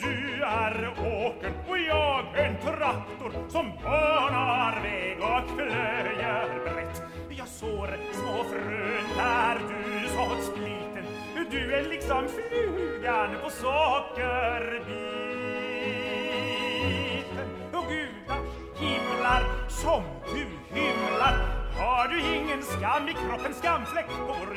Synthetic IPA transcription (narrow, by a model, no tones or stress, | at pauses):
d̪̥ʉæɾoːkənɔjɑːɡɛnt̪ʰʊɾakt̪ːʊɾsɔmbœnɑɾvɛːɡɔkflœjəɾbɾɛt̪ː | jɑːɡsoːɾɛsmoːfɾønd̪æɾd̪ʉsɔt̪skliːt̪ən | d̪ʉɛlɪksɔmfɾʉɡad̪əpʰɔsɔkːəɾbi | t̪ən | ɔɡʉːd̪a | hɪmlaɾsɔm | d̪ʉ | hɪmlaɾhaɖɵɪŋːənskamːɪkʰɾɔpːənskamːflɛk̚t̪oɾ